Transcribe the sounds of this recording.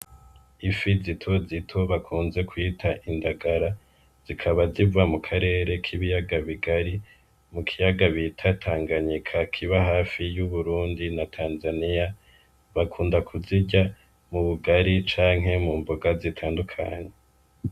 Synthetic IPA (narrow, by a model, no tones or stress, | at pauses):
ifizitʰo̞zitʰo̞βakʰuːnze̞kwiːtʰaʔindaɡaɾa | z̥ikʰaβazivamukʰaɾe̞ːɾe̞kʰiβijaɡaβiɡaɾi | mukʰijaɡaβitʰatʰaːŋɡaɲikʰakʰiβaɦaːfijuβuɾuːndinatʰaːnzanija | βakʰuːndakʰuziɟa | muβuɡaɾit͡ʃaːŋɦe̞muːmboɡazitʰaːndukʰa̰ɲe̞